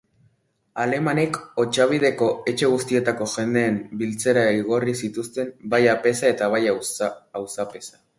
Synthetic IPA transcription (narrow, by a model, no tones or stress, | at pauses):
ale̞mane̞ko̞t͡ʃaβ̞ið̞e̞ko̞e̞t͡ʃe̞ɣust̪ie̞t̪ako̞ʝe̞nd̪e̞ːmbilt͡se̞ɾaiɣo̞risit̪ust̪e̞mbajape̞sae̞t̪aβ̞ajaawsape̞sḁ